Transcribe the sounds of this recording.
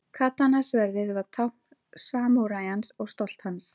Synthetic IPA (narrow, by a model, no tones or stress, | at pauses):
kʰat̪ːanasvɛɾðɪðvaðt̪ʰawhk | saːmuɾajansɔɣst̪ɔl̥t̪hans